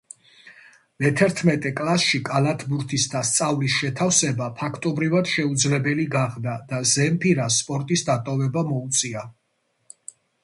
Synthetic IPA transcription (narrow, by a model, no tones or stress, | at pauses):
mɛt̪ʰɛɾt̪ʰmɛt̪ʼɛkʼlasʃikʼalat̪ʰbuɾt̪ʰisd̪ast̪sʼavlisʃɛt̪ʰafsɛbapʰakʰt̪ʼɔbɾivad̪̥ʃɛud̪zlɛbɛliɡaʁd̪ad̪azɛmpʰiɾaspʼɔɾt̪ʼisd̪at̪ʼɔvɛbamɔut̪sʼia